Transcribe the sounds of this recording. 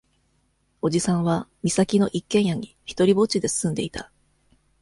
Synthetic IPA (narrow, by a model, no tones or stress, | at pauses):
o̞ʑisãɰ̃βamʲisakʲino̞ʔikːẽ̞ɰ̃jaɲ̟içi̥t̪o̞ɾʲibo̞t͡ɕid̪e̞sɨ̥sɨ̃nd̪e̞it̪a